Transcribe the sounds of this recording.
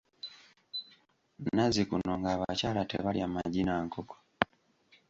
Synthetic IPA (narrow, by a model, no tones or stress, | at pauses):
nazikunoŋɡaβat͡ʃalatḛβaliamaɟinaŋkoko̥